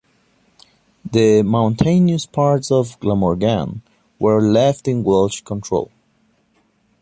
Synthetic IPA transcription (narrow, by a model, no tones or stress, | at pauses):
ðɨmãʊ̃ntʰẽɪ̃niəspʰɑɹtsɔvɡlamɔɹɡãn | wə˞lɛftɪ̃nɡɛlˠʃkʰɔ̃ntʰɹ̥o̰ʊlˠ